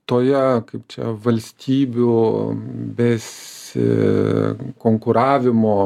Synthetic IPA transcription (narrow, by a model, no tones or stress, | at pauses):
t̪oːjɛkɐɪpt͡ʃʲɛ̰ʋɐlʲsʲt̪ʲiːbʲu | bʲɛs | koːŋkʊɾɑːʋʲɪmoː